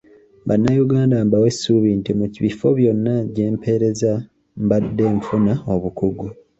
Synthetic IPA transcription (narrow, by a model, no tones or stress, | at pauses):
ba̰nːajuɡaːndambawe̞suβintimuciβifo̞βjo̞nːaɟeːmpʰe̞ɾe̞za | mbadːe̞ːɱfunao̞βukuɡu